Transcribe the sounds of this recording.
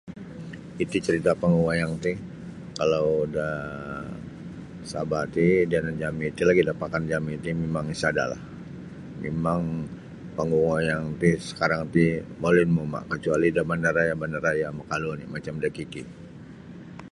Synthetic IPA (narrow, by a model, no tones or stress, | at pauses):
it̪ut͡ʃəɾit̪apaŋɡuwajaŋt̪i | kalawda | sabat̪idianand͡ʒamiːt̪ilaɡidapakand͡ʒamiːt̪imemaŋisada̰la̰h | mḛmaŋ | paŋɡuŋajaŋt̪isə̥kaɾaŋt̪imolɪnmoma̰kət͡ʃualidabandaɾajabandaɾajaməkalunḭmat͡ʃamdakiki